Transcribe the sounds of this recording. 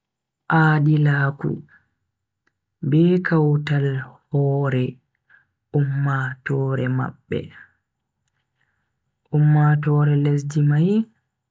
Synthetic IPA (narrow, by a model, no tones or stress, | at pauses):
ʔaːɗilaːkṵ | bɛkawtalhɔːɾɛ | ʔumːatɔːɾɛma̰ɓːɛ̰ | ʔumːatɔːɾɛles̬d͡ʒimaj